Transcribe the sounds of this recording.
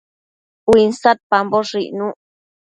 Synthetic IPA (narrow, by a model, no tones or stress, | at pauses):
winsat̪̚pamboʂiʔnũ